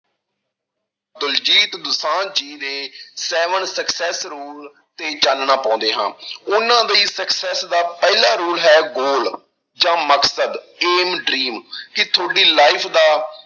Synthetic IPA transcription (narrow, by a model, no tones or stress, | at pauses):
d̪ʊld͡ʒiːt̪d̪ʊsãːnd͡ʒiːd̪eːsɛːʋənsəksɛːsɾuːl | t̪eːt͡ʃalnaːpɔ̃ːnd̪eːɦã̰ːʊnãːd̪əiːsəksɛːsd̪aːpɛːlaːɾuːlɦɛːɡoːl | d͡ʒãːməksəd̪ | eːmɖɾiːmkɪt̪ʰoːɽiːlaːipʰd̪aː